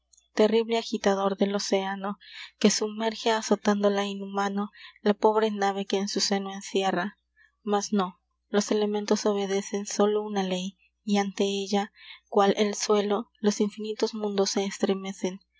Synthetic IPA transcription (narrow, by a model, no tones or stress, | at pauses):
t̪e̞riβle̞axit̪að̞o̞ɾðe̞lo̞se̞ano̞ke̞sume̞ɾxjeaso̞t̪and̪olainumãnolapo̞βɾe̞naβ̞eke̞ːnsuse̞noe̞nsje̞ra | mazno̞ | lo̞se̞le̞ment̪o̞so̞βe̞ðe̞se̞nso̞lo̞unale̞j | iant̪e̞e̞ʝakwalʔe̞lswe̞lo̞lo̞siɱfinit̪o̞zmũnd̪o̞sːe̞ːst̪ɾe̞me̞se̞n